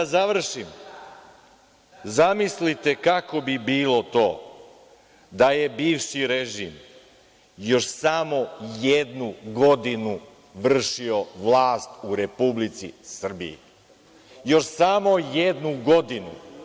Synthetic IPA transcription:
azaʋr̩ʃim | zamislit̪e̞kako̞bibiːlˠo̞t̪o̞ː | d̪aje̞biːʋʃiɾeʒim | jo̞ʃsamo̞jed̪nuɡo̞d̪inu | ʋr̩ʃio̞ʋlˠaːst̪uɾe̞publit̪sḭsr̩bḭjḭ | jo̞ʃsamo̞jed̪nuɡo̞d̪inṵ

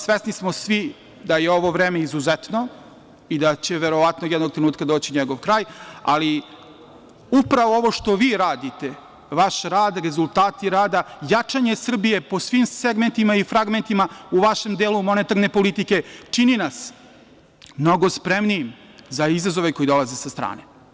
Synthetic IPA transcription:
sʋesnismosʋi | d̪ajeo̞ʋo̞ʋɾeːmeizuzet̪no | id̪at͡ɕe̞ʋeɾo̞ʋat̪nojɛd̪noɡ̚t̪ɾeuːt̪̚kad̪o̞ːt͡ɕiɲeɡo̞ʋkɾaːja̰li | upɾaʋoo̞ʋo̞ʂt̪o̞ʋiːɾaːd̪it̪e̞ | ʋaʃɾaːd̪ɾe̞zulˠt̪aːt̪iɾaːd̪ajat͡ʂaɲesr̩bije̞po̞sʋimseɡment̪imaifɾaɡment̪imauʋaʃe̞md̪eːlumo̞net̪aɾne̞po̞lit̪ike̞t͡ʂininas | mno̞ɡo̞spɾemniim | zaizazo̞ʋe̞ko̞jid̪o̞lˠaze̞sast̪ɾa̰ːne

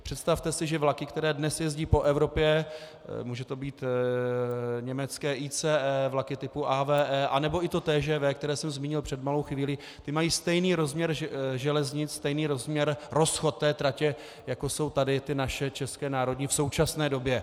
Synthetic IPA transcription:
pr̝̥ɛt̪st̪aft̪ɛsɪʒɛvlakɪkt̪ɛɾɛːdnɛsjɛzɟiːpo̞ʔɛvɾo̞pjɛ | muːʒɛt̪o̞biːt̪ | ɲɛmɛt͡skɛːʔiːt͡sɛːʔɛːvlakɪt̪ɪpuʔavɛːʔɛʔanɛbo̞ʔɪt̪o̞t̪ɛːʒɛːvɛːkt̪ɛɾɛːsɛmzmiːɲɪlpr̥ɛd̪malo̞wxviːli | t̪ɪmajiːst̪ɛjniːɾo̞zmɲɛɾʒɛlɛzɲɪt͡sst̪ɛjniːɾozmɲɛɾɾo̞sxo̞t̪̚ːɛːt̪ɾacɛ | jako̞so̞wt̪adɪt̪ɪnaʃɛt͡ʃɛskɛːnaːɾo̞dɲifso̞wt͡ʃasnɛːdo̞bjɛ

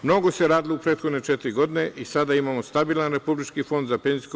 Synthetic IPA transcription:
mno̞ɡo̞seɾaːd̪iloupɾet̪xo̞d̪ne̞t͡ʃet̪ɾiɡo̞d̪ine̞ʔisad̪aimaːmo̞st̪abiːlˠanɾe̞publit͡ʃkifo̞nd̪zapenzik

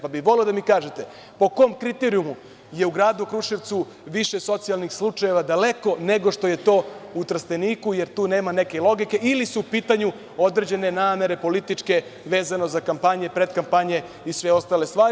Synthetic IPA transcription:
pabiʋo̞leod̪amikaːʒet̪e̞ | po̞ko̞mkɾit̪eɾiumu | jeuɡɾaːd̪ukɾuʃiʋt̪su | ʋiʃeso̞t̪sijalˠnixslˠut͡ʂaje̞ʋad̪ale̞ko̞ne̞ɡo̞ʃt̪o̞je̞t̪o̞ːut̪ɾst̪eniːkuje̞ɾt̪uːne̞ːmane̞ke̞lˠo̞ɡike̞ilisuːpiːt̪aɲu | o̞d̪ɾed͡ʑe̞ne̞naːme̞ɾe̞po̞lit̪it͡ʂke̞ʋe̞ːzanozakampaɲe̞pɾed̪kampaɲe̞ | isʋeo̞st̪aːle̞st̪ʋaːɾ

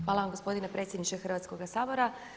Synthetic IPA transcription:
xʋaːlˠaʋamɡo̞spo̞d̪inepɾʔet̪sʲjed̪nit͡ʃexrʋat̪sko̞ɡasaːbo̞ɾa

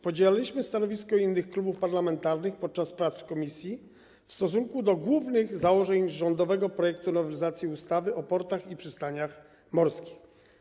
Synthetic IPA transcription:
pɔd͡ʑelalʲiɕmɘst̪anɔvʲiskɔinːɘxklubufpaɾlamɛnt̪aɾnɘxpɔt̪̚t͡ʂaspɾat̪skɔmʲisʲji | fst̪ɔsuŋkud̪ɔɡwuvnɘɣzawɔʐɛɲʐɔnd̪ɔvɛɡɔpɾɔjɛk̚t̪unɔvɛlʲizat̪sʲjiust̪avɘʔɔpɔɾt̪axipʂɘst̪aɲax | mɔɾskʲi̥x

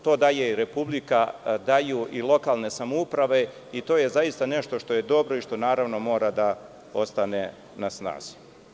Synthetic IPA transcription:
t̪o̞ːd̪ajeiɾepublikad̪ajuʔilˠo̞kalˠne̞samoupɾaʋe̞ | it̪o̞ːjezaist̪ane̞ʃt̪o̞ʃt̪o̞je̞d̪o̞bɾo̞iʃt̪o̞naːɾaʋno̞mo̞ːɾad̪a | o̞st̪ane̞ | nasna̰ːz̥i̥

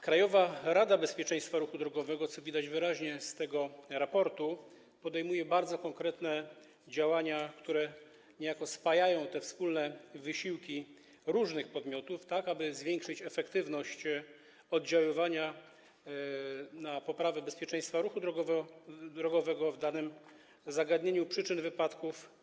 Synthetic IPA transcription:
kɾajɔvaɾad̪abɛspʲjɛt͡ʂɛ̃j̃st̪faɾuxud̪ɾɔɡɔvɛɡɔt̪sɔvʲid̪ad͡ʑvɘɾaʑɲɛst̪ɛɡɔɾapɔɾt̪u | pɔd̪ɛjmujɛbaɾd̪zɔkɔŋkɾɛt̪nɛ | d͡ʑawaɲakt̪uɾɛ | ɲɛjakɔspajajɔ̃w̃t̪ɛfspulnɛvɘɕiwkʲi | ɾuʐnɘxpɔd̪mʲjɔt̪uft̪akabɘzvʲjɛŋkʂɘt͡ɕɛfɛkt̪ɘvnɔɕt͡ɕ | ɔd̪̚d͡ʑawɔvaɲa | napɔpɾavɛbɛspʲjɛt͡ʂɛ̃j̃st̪faɾuxud̪ɾɔɡɔvd̪ɾɔɡɔvɛɡɔvd̪anɘm | zaɡad̪ɲeɲupʂɘt͡ʂɘnvɘpat̪kuf

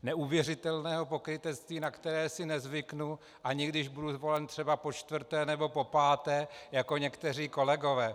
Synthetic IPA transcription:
nɛʔuvjɛr̝ɪt̪ɛlnɛːɦopo̞kɾɪt̪ɛt̪st̪viːnakt̪ɛɾɛːsɪnɛzvɪknu | ʔaɲɪɡdɪʒbuduzvo̞lɛnt̪r̝̥ɛbapo̞t͡ʃt̪vr̩t̪ɛːnɛbo̞po̞paːt̪ɛːjako̞ɲɛkt̪ɛr̝iːko̞lɛɡo̞vɛː

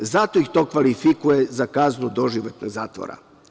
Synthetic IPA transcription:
zat̪oixt̪o̞ːkʋalifikujezakaznud̪o̞ʒiʋot̪no̰ɡzaːt̪ʋo̰ɾa̰

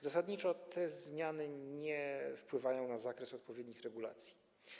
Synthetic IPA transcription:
zasad̪ɲit͡ʂɔt̪ʰɛzmʲjanɘɲɛfpwɘvajɔ̃w̃nazakɾɛsɔt̪̚pɔvʲjɛd̪ɲixɾɛɡula̰t̪sʲji̥

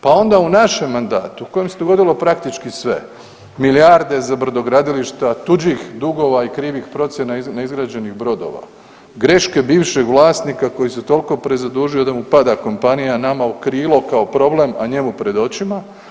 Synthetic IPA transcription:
pao̞nd̪aunaʃe̞mːand̪a̰ːt̪uuko̞jemse̞d̪o̞ɡo̞d̪ilo̞pɾakt̪it͡ʃkisʋe̞̰ | miljaɾd̪e̞zabɾd̪o̞ɡɾad̪iliʃt̪at̪ud͡ʑixd̪uɡo̞ːʋaikɾiːʋixpɾo̞t̪sje̞nainaizɡɾaːd͡ʑe̞niɣbɾo̞d̪o̞̰ʋa̰ | ɡɾe̞ʃke̞biːʋʃeɡʋlˠaːsniːkako̞jiset̪o̞liko̞pɾe̞zad̪uːʒio̞d̪amupad̪ako̞mpanijanamaokɾiːlˠo̞kaopɾo̞ble̞maɲe̞mupɾe̞d̪o̞t͡ɕima

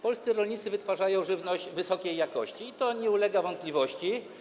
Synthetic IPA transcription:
pɔlst̪sɘɾɔlɲit̪sɘvɘt̪faʐajɔ̃w̃ʐɘvnɔʑd͡ʑvɘsɔkʲejːakɔɕt͡ɕiːt̪ɔɲɛulɛɡavɔnt̪̚pʲlʲivɔɕt͡ɕi

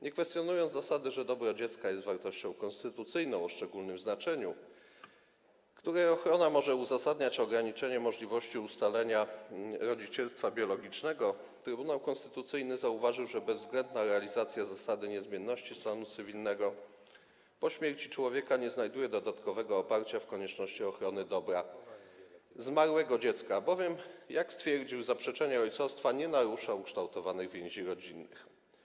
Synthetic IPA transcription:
ɲɛkfɛst̪ʲjɔnujɔnzasad̪ɘʐɛd̪ɔbɾɔd͡ʑɛt̪skajɛst̪vaɾt̪ɔɕt͡ɕɔ̃w̃kɔ̃nst̪ɘt̪ut̪sɘjnɔ̃w̃ɔʂt͡ʂɛɡulnɘmznat͡ʂɛɲu | kt̪uɾɛɔxɾɔnamɔʐɛuzasad̪ɲat͡ɕɔɡɾaɲit͡ʂɛɲɛmɔʐlʲivɔɕt͡ɕiust̪alɛɲaɾɔd͡ʑit͡ɕɛlst̪fabʲjɔlɔɡʲit͡ʂnɛɡɔ | t̪ɾɘbunawkɔnst̪ɘ̥t̪ut̪sɘjnɘzauvaʐɘwʐɛbɛzvzɡlɛnd̪naɾɛalʲizat̪sʲjazasad̪ɘɲɛzmʲjɛnːɔɕt͡ɕist̪anut̪sɘvʲilnɛɡɔ | pɔɕmʲjɛɾt͡ɕit͡ʂwɔvʲjɛkaɲɛznajd̪ujɛd̪ɔd̪at̪kɔvɛɡɔːpaɾt͡ɕafkɔɲɛt͡ʂnɔɕt͡ɕiɔxɾɔnɘd̪ɔbɾa | zmaɾwɛɡɔd͡ʑɛt̪skabɔvʲjɛmjakst̪fʲjɛɾd͡ʑiwzapʂɛt͡ʂɛɲɛɔjt̪sɔfst̪faɲɛnaɾuʂawukʂt̪awt̪ɔvanɘɣvʲjɛ̃ɲ̃ʑiɾɔd͡ʑinːɘ̰x

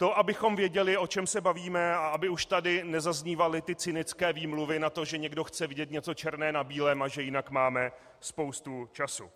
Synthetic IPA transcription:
t̪o̞ʔabɪxo̞mvjɛɟɛlɪo̞t͡ʃɛmsɛbaviːmɛaabɪuʃt̪adɪnɛzazɲiːvalɪt̪ɪt͡sɪnɪt͡skɛːviːmluvɪnat̪o̞ʒɛɲɛɡdo̞xt͡sɛvɪɟɛt̪ɲɛt͡so̞t͡ʃɛɾnɛːnabiːlɛːmaʒɛjɪnakmaːmɛ | spo̞wst̪ut͡ʃasṵ

